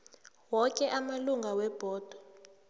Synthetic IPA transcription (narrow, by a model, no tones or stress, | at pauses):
wɔkʼɛʔamaluŋɡʱawɛb̥ʱɔːd̥ʱɔ